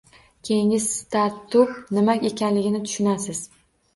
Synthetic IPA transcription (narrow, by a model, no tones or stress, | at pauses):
kʲʰe̞jɪŋɪzst̪ʰaɾt̪ʰːʊpnɪmakʲe̞kʲʰanlɪɡʲɪnɪt̪ʰʊ̥ʃʊnasɪz̥